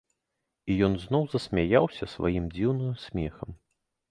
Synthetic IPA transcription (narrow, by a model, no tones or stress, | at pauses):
ijɔnzn̪ɔwzɐsʲmʲajawsʲɐsva̰jimd͡zʲiwnɨjusʲmʲɛxɐm